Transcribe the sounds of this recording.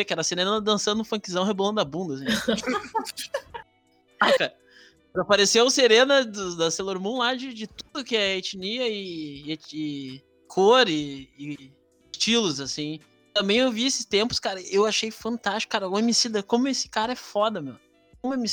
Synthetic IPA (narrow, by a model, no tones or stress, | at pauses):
vekɪɛɾɐseɾẽnnɐd̪ɐ̃sɐ̃d̪ʊʊ̃fɐ̃kizɐ̃w̃ɦebolɐ̃nʊd̪ɐabũnd̪ɐs̬ĩ | akaɾɐ | pɾɐpaɾeseʊseɾẽnɐd̪ʊd̪ɐseloɾmõlad͡ʒɪd͡ʒɪt̪ud̪ʊkɪɛet͡ʃiniɐɪeɪ | kʰoɾɪː | ɪst͡ʃilʊzasĩ | t̪ɐ̃mbẽj̃ewviesɪ̥st̪ẽmpʊ̥skaɾɐewaʃejfɐ̃nt̪ast͡ʃi̥kʊkaɾɐʊemisid̪ɐkõmʊesɪ̥kaɾɐɛfɔd̪ɐmew | kõmʊemi